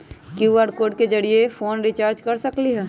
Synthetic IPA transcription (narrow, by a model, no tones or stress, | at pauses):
kjuaɖkoːɖ̚ked͡ʒəɽiefʰoːnɾit͡ʃaːɾd͡ʒkɐɾsəkliɦɛː